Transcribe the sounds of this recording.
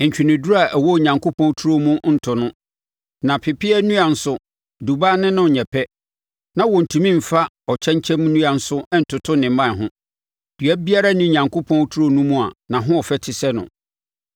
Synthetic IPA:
ɲ̩˨t͡ɕᶣi˨nɪ̃˨dʊ˦ɾa˨ʔæ˨wɔ˦˨ɲã˨ŋkʰo˦pʰɔ̃˦n˦tʰu˦ɾo˦mũ˦n̩˨tʰʊ˨nʊ̃˦ | nã˨pʰɪ˨pɪ˦ɛ˦nũ˦a˨n̩˦sʊ˦ | du˨ba˦nɪ̃˦nʊ̃˦˨ɲɛ˨pʰɛ˦ | nã˦wɔ˨n̩˨tʰũ˨mĩ˦m̩˨fa˦ | ɔ˨t͡ɕʰɛ̃˦ɲ˦t͡ɕʰɛ̃˦m̃˦nũ˦a˨n̩˦sʊ˦n̩˨tʰʊ˨tʰʊ˦nɪ̃˨mã˦˨ɦʊ̃˦ | d̥ɥæ˦bi˦a˦ɾa˦nĩ˦˨ɲã˨ŋkʰo˦pʰɔ̃˦n˦tʰu˦ɾo˦nũ˦mũ˦a˨nã˨ɦʊ̃˦ɔ˨fɛ˦tʰɪ˨sɛ˦nʊ̰̃˨

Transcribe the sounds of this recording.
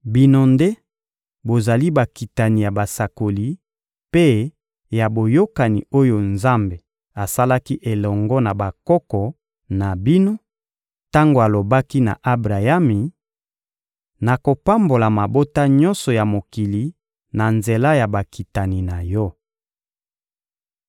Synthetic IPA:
bi˦no˦nde˦ | bo˨za˨li˦ba˨ki˨ta˨ni˨ja˨ba˨sa˨ko˨li˦ | pe˦ | ja˨bo˨jo˦ka˨ni˨o˦jo˨nza˦mbe˨ | a˨sa˦la˦ki˦ʔe˨lɔ˨ŋɡɔ˦na˨ba˨kɔ˦kɔ˨ | na˨bi˦no˦ | ta˦ŋɡo˨a˨lo˨ba˦ki˦na̰˨ʔa˦bʁa˨ja˦mi˨ | na˨ko˨pa˦mbo˨la˨ma˨bo˦ta˦ɲɔ̃˦nsɔ˨ja˨mo˨ki˨li˨ | na˨nze˨la˦ja˨ba˨ki˨ta˨ni˨na˨jɔ˦

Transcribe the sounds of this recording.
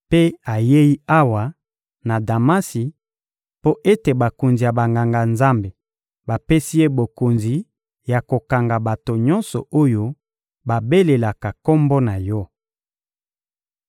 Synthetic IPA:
pe˦a˨je˦ji˦a˦wa˨ | na˨da˨ma˦si˨ | po˦ʔe˦te˨ba˨ko˨nzi˨ja˨ba˨ŋɡa˨ŋɡa˨nza˦mbe˨ | ba˨pe˦si˦je˦bo˨ko˨nzi˨ | ja˨ko˨ka˨ŋɡa˨ba˨to˨ɲɔ˦nsɔ˨o˦jo˦ | ba˨be˦le˨la˨ka˨kɔ˦mbɔ˦na˨jɔ˦

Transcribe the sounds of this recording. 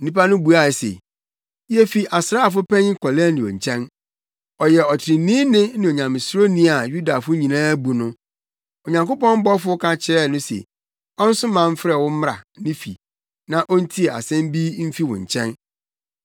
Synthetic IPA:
n̩˦nĩ˦pa˦nʊ̃˦bu˨a˨sḛ˨˦ | ɛ˦fi˨ʔa˨sɾa˦˨f̬ʊ˦pʰɛ̃˦ɲɪ̃˦kʰɔ˨lɛ˦nɪ̃˨ɔ̰˨ɲ̩˨t͡ɕʰɛ̃˦n | ɔ˨jɛ˨ɔ˨tʰɪ˨ɾɪ̃˨nĩ˦nɪ̃˦nɪ̃˨o˨ɲã˨mɪ̃˨sɾo˦nĩ˦a˨ju˦da˨fʊ˦ɲĩ˨nãː˦bu˨nʊ̃˦ | o˨ɲã˨ŋko˦pɔ̃˦m̩˦bɔ˦fʊ˦kʰã˦t͡ɕʰɪ˨ɾɛ˦˨nʊ̃˦sḛ˨ | ɔ˦n̩˦sʊ̃˦mã˨m̩˦fɾɛ˦˨wʊ̃˦m̩˦m˦ɾa̰˨nɪ̃˦fḭ˨ | nã˦ʔɔ˦n̩˦tʰi˦e˨a̰˨sɛ̃˦m˦bi˦m̩˦fi˦wʊ̰̃˨ɲ̩˨t͡ɕʰɛ̃˦n

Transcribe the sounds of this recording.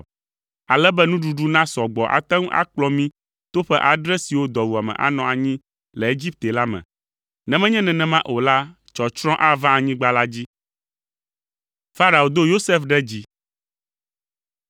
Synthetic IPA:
a˨lɛ˦bɛ˦nũ˦ɖu˨ɖu˦nã˦sɔ˨ɡ͡bɔ˨ʔa̰˨t̪ã˦ŋũ˦ʔa̰˦k͡plɔ˦mĩ˦ | t̪o˦ɸɛ˦ʔa˨ɖɾɛ˦si˨wo˦d̪ɔ˨wu˨a˨mɛ̰̃˨ʔa̰˨nɔ̃˨a˨ɲĩ˦ | lɛ˨e˦d͡ʑi˦p̚t̪e˨la˦mɛ̰̃˨ | nɛ̃˦mɛ̃˦ɲɛ̃˦nɛ̃˨nɛ̃˨mã˦ʔo˨la˦ | t͡ʃɔ˨t͡ʃɾ̃ɔ̃˦ʔa˦vã˦a˨ɲĩ˦ɡ͡ba˦la˦d͡ʑi˦ | fa˦ɾa˨o˨d̪o˦jo˦se˦fɖɛ˦d͡ʑi˦

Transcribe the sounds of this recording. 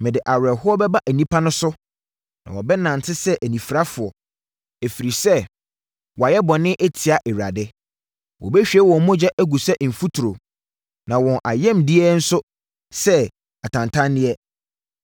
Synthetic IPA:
mɪ̃˨dɪ˨ʔa˨wɾɛ˨ɦʊ˦ɔ˦bɛ˦ba˦ʔæ˨nĩ˦pʰa˦nʊ̃˦sʊ˦ | nã̰˨wɔ˨bɛ˦nã˨n˨tʰɪ˦sɛ˦ʔæ˨nĩ˨fɾa˦fʊ˨ɔ˨ | e˨fi˨ɾi˨sɛ˦ | wɔ˨a˨jɛ˦bɔ̃˨nɪ̃˦ʔe˦tʰi˨a˨ʔɛ˨ɥa̰˨dɪ˦ | wʔɔ̰˨bɛ˦ɕᶣi˨ɛ˦wɔ̃˨˦mɔ̃˦d͡ʑɛ˦ʔæ˦ɡu˨sɛ˦m̩˨fu˦tʰu˨ɾo˨ | nã˨wɔ̃˨nʔa̰˨jɛ̃˦mdi˦ɛ˦n̩˦sʊ˦ | sɛ˦ | a˨tʰã˨ntʰã˦nːɪ̃˦ɛ˦

